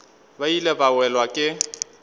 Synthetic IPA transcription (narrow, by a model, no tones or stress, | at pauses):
bailɛbawɛlwakʼɪ